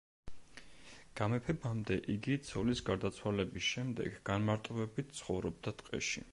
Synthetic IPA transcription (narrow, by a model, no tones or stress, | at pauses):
ɡ̥amɛpʰɛbamd̪ɛʔiɡit̪sʰɔlisɡaɾd̪at̪sʰwalɛbisʃɛmd̪ɛ̰ɡːanmaɾt̪ʼɔbɛbit̪̚ʰt̪sʰχɔvɾɔb̚d̪at̪ʼqʼɛ̰ʃḭ